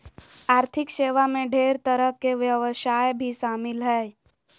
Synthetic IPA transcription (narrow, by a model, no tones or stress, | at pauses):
aːɾt̪ʰɪkʃeːʋamẽɖʱeːɾt̪əɾəɦkeʋjəʋəʃaːjbʱiʃaːmɪlɦɛː